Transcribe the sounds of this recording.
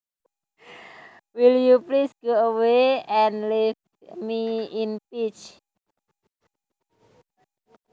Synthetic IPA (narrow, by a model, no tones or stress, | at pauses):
wiljuplisɡ̥oəweɛnliv | miinpit͡ʃ